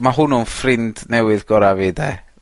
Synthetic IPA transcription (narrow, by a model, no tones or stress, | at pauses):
maɦʊnʊnfrɪnd̥nɛwɨðɡɔɾaveda